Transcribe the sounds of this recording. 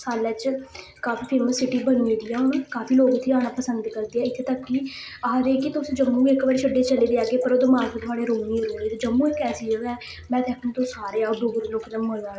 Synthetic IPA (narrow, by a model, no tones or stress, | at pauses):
saːlɛːt͡ʃkaːfʰiːpʰeːməsːɪʈiːbəñiːɦoɡ̪iːɛːokaːpiːloːɡt̪ʰiːaːɽ̃aːpəsənd̪kəɾd̪iːɛːɪt̪ʰːeːt̪əkːiː | aːɾeːkɪt̪ʊsĩːd͡ʒəmːũːiɪkbəɽeːt͡ʃʰəɖːeːt͡ʃəleːd̪eːaːɡeːpəɾoːd̪ɪmaːɾkːt̪ʰʊaːɽeːɾoːmiːɾoːeːt̪eːd͡ʒəmːũːɪkɛːsiːd͡ʒoːɛː | mɛ̃ːt̪ʰɛːkːt̪osaːɾeːaːoːd̪oːɡəɾloːkɪnəəaː